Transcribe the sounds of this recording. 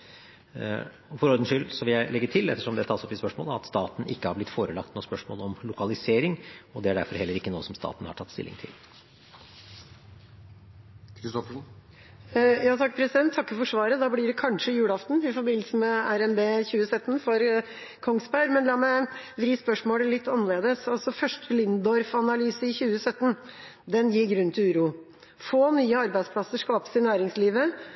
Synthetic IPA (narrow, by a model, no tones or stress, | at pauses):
ɔfɔɾɔɾd̪ənʂʏlːsɔʋɪljæɪlɛɡːət̪ʰɪlɛ̰t̪ːəʂɔmd̪ɛt̪ʰɑːsɔpːɪspœʂmo̰ːləɑ̰t̪st̪ɑːt̪n̩ʔɪkːəhɑɾblɪt̪ːfoːɾəlɑk̚t̪nuːspœʂmo̰ːlɔmlʊkɑlɪseːɾɪŋɔd̪ɛæɖæ̰ɾfɔɾhɛlːəɾɪkːənuːəsɔmst̪ɑ̰ːt̪n̩hɑ̰ʈʰɑt̪ːst̪ɪ̰lːɪ̰ŋt̪ʰɪ̰l | kʰɾɪst̪ɔfəʂ | jɑːt̪ɑkːpʰɾɛsɪd̪ɛnt̪ʰːɑkːəfɔʂʋɑːɾəd̪ɑːblɪɖɛkʰɑnʂəɪjʉːɽɑft̪n̩ɪfɔɾbɪnəlsəmɛæɾɛmbeːçʉːəsœt̪ːn̩fɔɾ | kʰɔŋsbæɾmɛnlɑːmɛʋɾiːspœʂmoːləlɪt̪ʰːɑnːəleːd̪əsɑlsɔfœʂʈəlɪnd̪ɔɾfɑnɑlyːsəɪçʉːəsœt̪ːn | d̪ɛnjɪɡɾʉnt̪ʉːɾuː | foːnyːəɑɾbæɪd̪spʰlɑsəʂkɑːpə̥sɪnæːɾɪŋsliːʋə